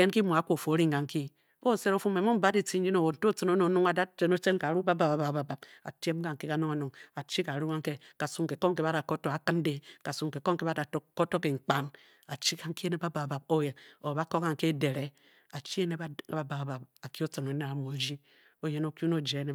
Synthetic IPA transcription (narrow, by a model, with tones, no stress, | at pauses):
e˦nki˦mo˨a˨˦kʷo˨fo˨˦ɾi˦ŋ˨ɡa˨ŋ˦ki˦ | o˦˨se˦ɾo˦fu˦me˨mo˦m̩˦ba˦di˦t͡si˦n̩˦d͡ʒi˦no˨wo˨n̩˨to˦t͡so˨no˦no˨˦˨nu˦ŋa˨da˦t͡ʃe˨no˦t͡ʃe˦nka˨ɾu˦ba˦ba˨ba˨ba˨ba˨ba˨b̚a̰˨te˦m˦ka˨ŋ̩˨ke˦ka˨˦no˦ŋo˨˦nu˨ŋa˨t͡ʃi˦ka˨ɾu˦a˦ŋ˦ke˦ka˨su˦ŋke˨ko˦ŋ˦ke˦βa˦da˨ko˦to˨a˨kɨ˦n˦de˦ka˨su˦ŋke˨ko˦ŋke˦ba˦da˨o˦ko˦to˦ke˨ŋ͡m̩˨k͡pa˦n | a˨t͡ʃi˦ka˨ŋ̩˦ki˦e˦ne˦ba˦ba˨ba˨b̚o˦je˨o˨ba˦ko˦ka˨ŋ̩˨ke˦de˨ɾe˦ | a˨t͡ʃi˦e˦ne˦˨ba˦ba˨a˨ba˨pa˨ki˦o˦t͡sɨ˨no˨˦ne˨a˨mo˨d͡ʒi˦ | o˦je˦no˨ku˦no˦˨d͡ʒe˨˦ne˦